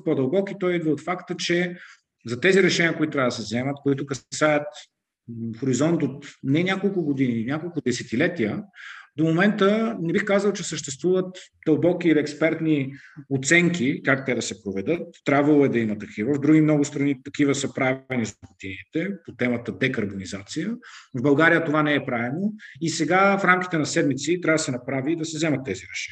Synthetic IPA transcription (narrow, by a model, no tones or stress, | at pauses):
pod̪əlˠbɔkit̪ɔjid̪vɐot̪fakt̪ət͡ʃɛ | zɐt̪ɛziɾɛʃɛniəkoʊit̪t̪ɾaɐd̪sɛvzɛmət̪koit̪ʊkɐsajət̪ | xoɾizɔnt̪ot̪nɛnʲakolˠkʊɡod̪ininʲakolˠkʊd̪ɛsɛt̪ilɛt̪iəd̪omomɛnt̪ənɛbixkazəlˠt͡ʃɛsəʃt̪ɛst̪vuvət̪d̪̥ɐlˠbɔkiːliɛkspɛɾt̪niot̪sɛŋk̟ʲikakt̪ɛd̪ɐsɛpɾovɛd̪ɤt̪ːɾʲabvəlˠoɛd̪ɐimət̪ɐkʰivəvd̪ɾuɡimnɔɡʊst̪ɾɐnit̪ɐkivəsɤpɾavɛnizɐput̪init̪ɛpot̪ɛmət̪əd̪ɛkɐɾbonizat̪sijəvbɐlˠɡaɾijət̪ovanɛːpɾaɛnoisɛɡafɾamk̟ʲi̥t̪ɛnɐsɛd̪mit̪sit̪ɾavəd̪ɐsɛnɐpɾavid̪ɐsɛzɛmɐt̪ːɛziɾɛʃɛ̥ni